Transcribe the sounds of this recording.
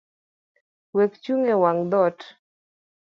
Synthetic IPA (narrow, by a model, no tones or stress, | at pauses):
wekt͡ʃuŋewaŋd̪ɔt